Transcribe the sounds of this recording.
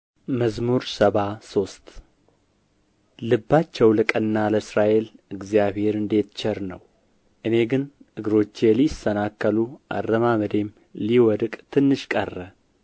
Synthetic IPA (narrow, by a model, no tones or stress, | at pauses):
məzmuɾsəβaso̞st̪ | lɨbːat͡ʃːɛwlɨkʼənːaləsɾaʔe̞lɨɡzijaβhe̞ɾɨnd̪e̞t̪t͡ʃʰɛɾnə̰w | ʔɨne̞ɡɨnɨɡɨɾo̞t͡ʃːjɛlisənakːəluʔa̰rːəmaβəd̪e̞m | liwɔd̪kʼt̪ʰɨnːɨʃkʼə̰rːə